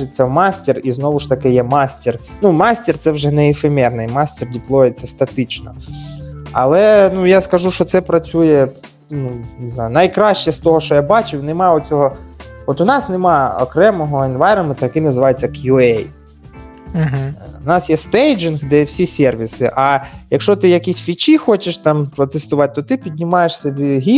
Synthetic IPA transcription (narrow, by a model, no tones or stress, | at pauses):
ɪt͡sʲːɐwmɑsʲtʲɪriznɔʋʊʃt̪ɐkɪjɛmɑsʲtʲɪr | numɑsʲtʲɪrt̪sɛwʒɛnɛɪfemʲɛrnɪjmɑsʲtʲɪrdʲiplˠɔjet͡sʲːɐst̪ɐt̪ɪt͡ʃnɔ | ɐ̰lˠɛnujaskɐʒuʃt͡ʃɔt̪sɛpɾɐt͡sʲujɛ | nunɪznɑjʊnɐjkɾɑɕt͡ʃɛst̪ɔɦɔʃt͡ʃɔjabɑt͡ʃɪwnɪmɑɔt͡sʲɔɦɔɔt̪ʊnɑsnɪmɑɔ̰kɾɛmɔɦɔɪnʋɑjɾɐmɪt̪ɐjkɪnɐzɪʋɑjet͡sʲːɐkjuɛj̩ | ɦ̩ʊnɑsjɛst̪ɛjd͡ʒɪnxd̪ɛwsʲisʲɛrʋʲisɪ̰ʔɐjɐkʃɔt̪ɪjɐkʲisʲfʲit͡ʃixɔt͡ʃɪʃt̪ɑmpɾɔt̪ɪst̪ʊʋɑt̪̚ʲt̪ːɔt̪ɪpʲid̪ʲnʲɪmɑjeʂsebʲiɦʲi